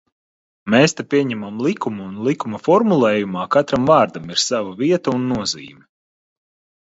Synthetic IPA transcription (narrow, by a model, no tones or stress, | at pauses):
meːst̪apʲiɛɲɛmamlˠikumuunlˠikumɐfɔɾmulˠɛːjumaːkat̪ɾamvaːɾd̪amiɾsavaviɛt̪ɐunːuɔzḭːmʲɛ